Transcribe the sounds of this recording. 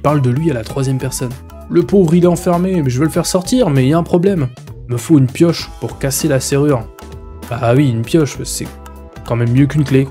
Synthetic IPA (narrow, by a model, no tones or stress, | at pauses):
paʁld̪əlɥialat̪χwazjɛmpɛʁsɔn | ləpovʁilɛɑ̃fɛʁmemɛʒəvəlfɛʁsɔʁt̪iʁmɛiljaɛ̃pχɔblɛm | məfoynpjɔʃpuʁkaselaseʁyʁ | b̥awiynpjɔʃsɛ̰ | kɑ̃mɛmːjøk̬ynkle